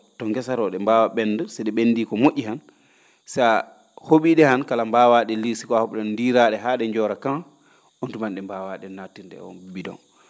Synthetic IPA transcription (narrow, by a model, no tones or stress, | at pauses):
tɔŋɡɛsaɾɔɗɛmbawaɓɛndusɛɗɛɓendiːkɔmoʔʲːihan | sa | hoɓiɗɛhankalambaːwaɗɛlisi̥kɔahɔɓɗɛndiɾaɗɛɦaːɗɛɲd͡ʒɔɾakaŋ | ontumanɗɛmbaːwaɗɛnatːindɛ̰ɔ̰bidɔ̰n